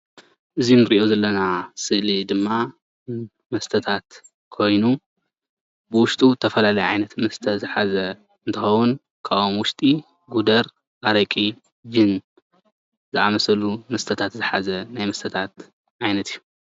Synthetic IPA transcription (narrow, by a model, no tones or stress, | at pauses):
ʔɨzinɨɾiʔo̞zɐlːɐnasɨlid̪ɨmːa | mɐst̪ʰɐt̪ʰat̪ | kʰo̞jnu | bɨwʊʃt̪ʼut̪ʰɐfɐlalɐjʕajnɐt̪mɐst̪ʰɐzɨħazɐ | ɨnt̪ʰɨxɐwun | kʰaomwʊʃt̪ʼi | ɡud̪ɐɾ | ʔaɾɐkʼi | d͡ʒɨn | zɨʔamɐsɐlumɐst̪ʰɐt̪ʰat̪zɨħa̰zɐnajmɐst̪ʰɐt̪ʰat̪ | ʕajnɐt̪ijːu